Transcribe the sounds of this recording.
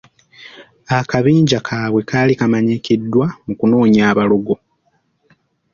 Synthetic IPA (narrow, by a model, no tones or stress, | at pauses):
akaβiːɲɟakʰaːwe̞kaːlikamaɲikidːwamukuno̞ːɲaːβaluɡo̞